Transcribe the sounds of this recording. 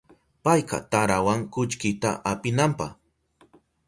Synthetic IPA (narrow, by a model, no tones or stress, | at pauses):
pajqɑ̰t̪aɾawaŋkʊt͡ʃkɪt̪a̰ʔapɪnampɑχ